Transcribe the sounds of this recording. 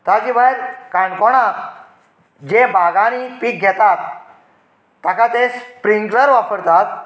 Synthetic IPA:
t̪ad͡ʑiːbʱajɾkãɳkɔɽ̃a | d͡ʑebʱaɡanipik̚ɡʱɛt̪at̪ | akat̪espɾiŋɡləɾʋapəɾt̪at̪

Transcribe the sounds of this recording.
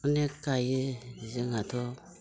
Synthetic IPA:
unekːajeziŋatʰo

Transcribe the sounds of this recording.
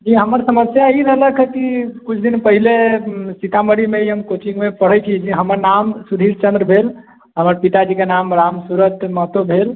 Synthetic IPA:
d͡ʒiɦəməɾsəməsjaiɾələɡkʰəkikut͡ʃʰd̪inpəɦilesit̪aməɾimeiɦəmkot͡ʃĩŋɡmepəɽ̤ət͡ʃʰid͡ʒiɦəməɾnamsud̪ʱiɾt͡ʃənd̪ɾəbʱel | ɦəməɾpit̪ad͡ʒikenamɾamsuɾət̪məɦt̪obʱel

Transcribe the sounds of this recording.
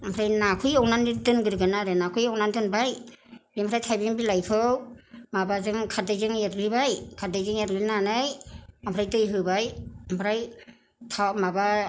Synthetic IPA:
ampʰɾajnakʰujɔwnanitɯnɡɯɾɡɯnaɾɯnakʰɯjɔwnandɯnbajbimpʰɾajtʰajbinbilajkʰɯwmabazɯŋkʰadajzɯŋeɾɡɾibajkʰadajzɯŋeɾɡinanɯjampʰɾajtɯjɦɯbajampʰɾaj | tʰamaba

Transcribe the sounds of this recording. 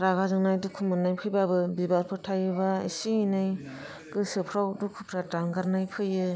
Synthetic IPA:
ɾaɡazɯŋnajdukʰumɯnːajpʰɯjbabɯbibaɾpʰɯtʰajɯβaḭsinaj | ɡɯsɯpʰɾawdukʰupʰɾadaŋɡaɾnajpʰɯjɯ

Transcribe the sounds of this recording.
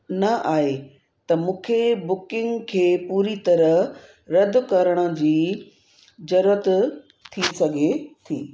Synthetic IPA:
nɐʔaːɦe | t̪ɐmũːkʰebʊkɪ̃ŋɡkʰeːpuːɾit̪ɐɾə | ɾɐd̪ʱkɐɾəɽ̃ə̆d͡ʑiː | d͡ʑɐɾuɾət̪ | t̪ʰːisɐɡʱet̪ʰḭː

